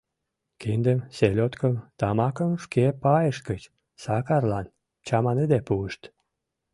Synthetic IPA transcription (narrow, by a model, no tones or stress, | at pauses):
kind̪əmselʲot̪kəmt̪ɑmɑkəmʃkepɑjəʃkət͡ɕ | sɑkɑrlɑn | t͡ɕɑmɑnɨd̪epuəʃt̪